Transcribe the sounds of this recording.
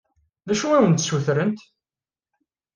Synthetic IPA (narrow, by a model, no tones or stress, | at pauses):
ðæʃuæwənt̪suθɾənt̪